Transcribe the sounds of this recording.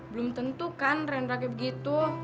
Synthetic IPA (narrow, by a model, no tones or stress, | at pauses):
bəlʊmt̪ənt̪ukanrɛnɾakɛbəɡit̪u